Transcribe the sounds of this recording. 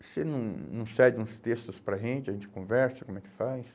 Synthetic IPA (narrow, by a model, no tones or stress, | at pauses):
senɐ̃w̃nɐ̃w̃sɛɡɪũst̪est̪ʊspɾɐʒẽnt͡ʃɪɐʒẽnt͡ʃɪ̥kõvɛɾsɐkõmɛkɪ̥fajs